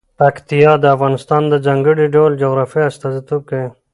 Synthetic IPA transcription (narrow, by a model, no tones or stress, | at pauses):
pakt̪ijɑd̪əafɣɑnɪst̪ɑːnd̪əzaŋɡəɽiɖold͡ʒoɣɾɑfiast̪azit̪uke